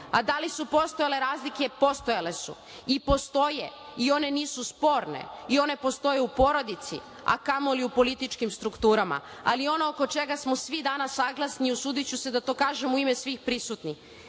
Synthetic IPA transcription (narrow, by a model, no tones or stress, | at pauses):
ad̪alisupo̞st̪ojale̞ɾaːzlike̞po̞st̪o̞jale̞sṵ | ipo̞st̪o̞jeio̞ne̞niːsuspo̞ːɾne̞̰io̞ne̞po̞st̪o̞jeupo̞ɾo̞d̪it̪sḭ | a̰kamoliupolit̪it͡ʃkimst̪ɾukt̪uːɾama̰a̰lio̞no̞oko̞t͡ʃe̞ɡasmo̞sʋid̪anasːaɡlˠasniusuːd̪it͡ɕuse̞d̪at̪o̞ːkaːʒe̞muime̞sʋixpɾisut̪nix